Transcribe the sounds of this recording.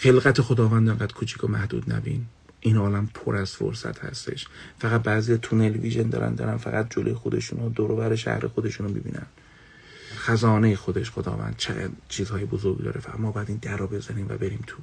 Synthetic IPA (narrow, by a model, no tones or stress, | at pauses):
xe̞lɣæt̪ʰexod̪ɒːvænd̪eŋɡæd̪̥kʰut͡ʃʰi̥kʰomæhd̪ṵːd̪næbḭn | ʔinɒːlæmpʰoɾʔæz̥fo̰ɾsæ̰t̪hæ̰st̪e̞̰ʃfæɣæt̪̚bæːzijɒt̪ʰunelviʒend̪ɒ̰ːɾæ̰nd̪ɒ̰ːɾænfæɣæt̪̚d͡ʒolʔojexod̪e̞ʃuːnod̪oɾovæɾeʃæ̰hɾexod̪e̞ʃunomibḭːnæ̰n | xæzɒːnejexod̪eʃxod̪ɒ̰ːvæ̰nd̪̥̚t͡ʃʰeɣæ̰d̪t͡ʃʰiːzhɒːjebozoɾɡd̪ɒ̰ːɾefææ̰mːɒːbɒjæd̪iːnd̪æɾɒːbe̞zæniːmvæ̰be̞ɾiːmt̪ʰu